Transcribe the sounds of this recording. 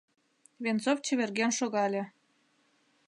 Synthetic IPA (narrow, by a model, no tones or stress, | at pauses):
βʲenzoft͡ɕĕβʲerɣenʃoɣɑlʲĕ